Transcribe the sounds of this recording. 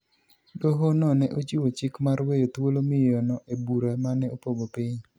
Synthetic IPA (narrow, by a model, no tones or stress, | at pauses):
doɦonɔnɛʔot͡ʃiwot͡ʃɪkmaɾwejot̪wolomɪjɔnɔʔebuɾamanɛopobopɪɲ